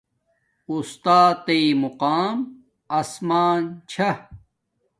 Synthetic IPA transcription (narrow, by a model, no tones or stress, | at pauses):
ust̪aːt̪eimuqaːm | ɐsmaːnt͡ɕʰɐ